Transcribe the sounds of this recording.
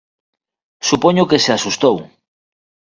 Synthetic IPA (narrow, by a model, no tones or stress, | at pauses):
supoɲokeseasust̪ow